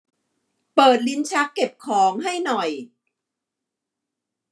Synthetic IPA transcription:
pɤː˨˩t̪̚li˦˥nt͡ɕʰa˦˥kːe˨˩p̚kʰɔː˩˦ŋɦa˥˩jnɔ˨˩j

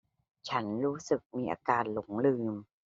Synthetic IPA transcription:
t͡ɕʰa˦˥nɾuː˦˥sɯ˨˩k̚miː˧ʔa̰ː˧kaː˧nlo˩˦ŋlɯː˧m

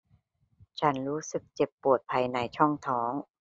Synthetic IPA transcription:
t͡ɕʰa˦˥nɾuː˦˥sɯ˨˩k̚t͡ɕe˨˩pːu˨˩ət̪̚pʰa˧jna˧jt͡ɕʰɔ˥˩ŋt̪ʰɔː˩˦ŋ

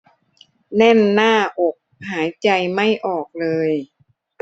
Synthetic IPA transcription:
nɛ˥˩nːaː˥˩ʔo˨˩k̚haː˩˦jt͡ɕa˧jma˥˩jʔɔː˨˩k̚lɤː˧j

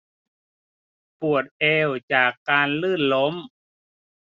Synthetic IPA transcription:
pu˨˩ət̪̚ʔɛː˧wt͡ɕaː˨˩kːaː˧nlɯː˥˩nlo˦˥m

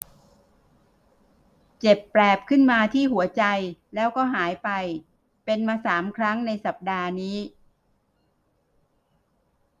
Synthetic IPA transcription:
t͡ɕe˨˩pːɾɛː˨˩p̚kʰɯ˥˩nmaː˧t̪ʰiː˥˩ɦu˩˦ɐt͡ɕa˧jlɛː˦˥wkɔː˥˩ɦaː˩˦jpa˧j | pe˧nmaː˧saː˩˦mkʰɾa˦˥ŋna˧jsa˨˩p̚daː˧niː˦˥

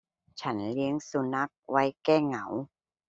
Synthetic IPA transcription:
t͡ɕʰa˦˥nli˦˥əŋsu˧na˦˥k̚wa˦˥jkɛː˥˩ŋa˩˦w

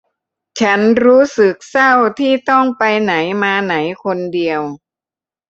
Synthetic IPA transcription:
t͡ɕʰa˦˥nɾuː˦˥sɯ˨˩k̚sa˥˩wt̪ʰiː˥˩t̪ɔ˥˩ŋpa˧jna˩˦jmaː˧na˩˦jkʰo˧ndi˧əw

